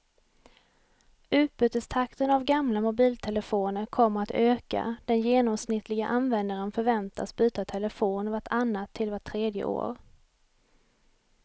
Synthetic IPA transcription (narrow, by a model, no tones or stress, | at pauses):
ʔʉ̟ːt̪̚bʉ̟ːt̪əst̪ʰakt̪ənavɡamlamʊbiːlt̪ʰɛləfoːnəɾkʰɔmːəɾat̪øːka̰d̪̥ɛnjeːnɔmsnɪt̪ʰːlɪɡaʔanvɛnd̪aɾənfœɾvɛnt̪ʰa̰sbyːt̪at̪ʰɛləfoːnvaʈʰanːat̪ʰːɪlvaʈʰːɾeːd̪jə̰ʔo̰ːɾ